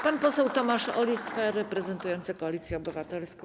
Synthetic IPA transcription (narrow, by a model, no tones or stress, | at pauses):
panpɔsɛwt̪ɔmaʂɔlʲiffɛɾɛpɾɛzɛnt̪ujɔnt̪sɘkɔalʲit̪sʲjɛɔbɘvat̪ɛlskɔ̃